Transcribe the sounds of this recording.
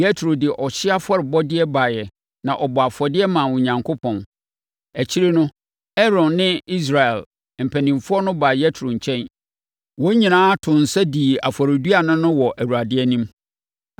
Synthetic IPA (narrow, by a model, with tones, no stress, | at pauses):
jɛ˦tʰɾo˨dɪ˨ʔɔ˨ɕɪ˦a˦fɔ˦ɾɪ˨bɔ˦dɪ˦ɛ˦ba˨jɛ˨ | nã˨ʔɔ˨bɔ˨a˨fɔ˨dɪ˦ɛ˦mã˨wʊ̃˨ɲã˨ŋkʰo˦pʰɔ̃˨n | æ˨t͡ɕʰi˦ɾe˦nʊ̃˦ | ɛ˦ɾɔ̃˨nːɪ̃˦i˦s̬ɾa˨ɛ˨l | m̩˨pʰæ˨nĩ˨mfʊ˦ɔ˦nʊ̃˦baː˨jɛ˦tʰɾo˨ɲ̩˨t͡ɕʰɛ̃˦n | wo˦ɲĩ˨nãː˦tʰʊ̃˨n̩˨sɛ˦di˨a̰˨fɔ˨ɾɪ˨du˦a˨nʊ̃˦nʊ̃˦wɔ˨ʔæ˨wu˨ɾa˨dɪ˦ɛ˦nĩ˦m